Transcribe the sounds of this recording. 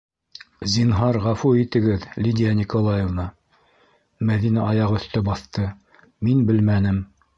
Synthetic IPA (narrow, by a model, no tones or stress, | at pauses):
zʲinɦɑɾʁɑfuit̪ɘ̆ɡɘðlʲid̪ʲijanʲikolˠajevnɑ | mæðinɑʔɑjɑʁɵ̆θt̪ɵbɑθt̪ɤ | minbɘlmænɘm